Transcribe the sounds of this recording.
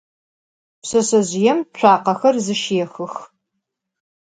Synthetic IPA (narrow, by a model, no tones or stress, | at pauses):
psɐɕɐʑjɛmɕʷʰaːqɐxɐrzɨʃjɛxɨx